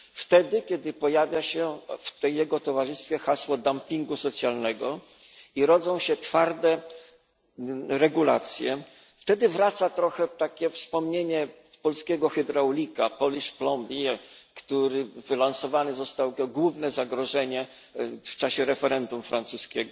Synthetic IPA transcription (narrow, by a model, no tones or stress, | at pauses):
ft̪ɛd̪ɘkʲɛd̪ɘpɔjavʲjaɕɛft̪ɛjːɛɡɔt̪ɔvaʐɘst̪fʲjɛxaswɔd̪ampʲiŋɡusɔt̪sʲjalnɛɡɔ | iɾɔd̪zɔ̃w̃ɕɛt̪faɾd̪ɛ | ɾɛɡula̰t̪sʲjɛ | ft̪ɛd̪ɘvɾat̪sat̪ɾɔxɛt̪akʲɛfspɔmɲeɲɛ | pɔlskʲɛɡɔxɛd̪ɾawlʲikapɔlʲiʂplɔmbʲikt̪uɾɘfɘlansɔvanɘzɔst̪awɡwuvnɛzaɡɾɔʐɛɲɛ | ft͡ʂaɕɛɾɛfɛɾɛnd̪umfɾant̪suskʲɛɡɔ